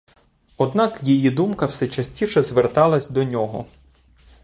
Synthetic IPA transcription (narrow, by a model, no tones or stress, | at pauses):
ɔd̪nɑkjijid̪umkɐwsɛt͡ʃɐsʲtʲiʃɛzʋert̪ɑlˠɐsʲd̪ɔnʲɔɦɔ̰